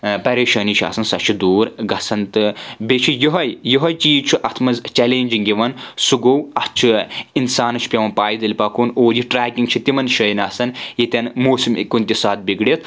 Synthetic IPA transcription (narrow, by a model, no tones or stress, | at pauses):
pɐɾeːʃɐːnit͡ʃʰa̰ːsɐnsɐt͡ʃʰid̪uːɾɡɐsɐnt̪ɨbet͡ʃʰijiɦɐjjiɦɐjt͡ʃiːt͡ʃʰuʔɐt̪ʰmɐzt͡ʃɛleːnʲd͡ʒiŋɡiʋɐnsuɡowɐt͡ʃʰiinsaːnɐt͡ʃʰi̥pʲɐʋɐnpaːjid̪ɐlʲpɐkunoːd͡ʒiʈɾaːkʲiŋɡt͡ʃʰit̪imɐnʃɐjnɐːsɐnjit̪ʲɐnmoːsimikunʲt̪ʲisaːt̪̚biɡɽit̪̚ʰ